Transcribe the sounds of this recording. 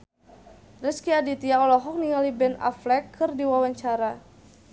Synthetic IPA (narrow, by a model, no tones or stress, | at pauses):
riskiadit̪iaɔlɔɦɔk̚niŋalibɛna̰flɛkʰːɨrdiwawaɲt͡ʃaɾa